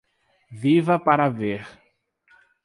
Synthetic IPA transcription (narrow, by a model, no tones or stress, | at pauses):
vivɐpaɾaveɾ